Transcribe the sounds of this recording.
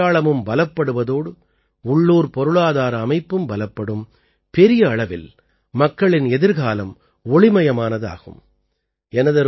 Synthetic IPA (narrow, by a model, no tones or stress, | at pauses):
aːɭɐmɯmbɐlɐpːɐɽɯʋɐðoːɽɯ | ʊɭːuːɾpɔɾɯɭaːðaːɾɐːmɐɪpːɯmbɐlɐpːɐɽɯm | pɛɾɪjɐːɭɐʋɪ̰l | mɐkːɐɭɪnɛðɪɾɣaːlɐm | ɔɭɪmɐjɐmaːnɐða̰ːɣɯ̰m | ɛnɐðɐɾ